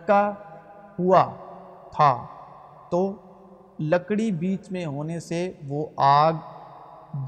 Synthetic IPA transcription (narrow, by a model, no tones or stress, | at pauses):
ka | hua | t̪ʰa | t̪oː | ləkɽibiːt͡ʃmẽɦoːneseʋoaːɡ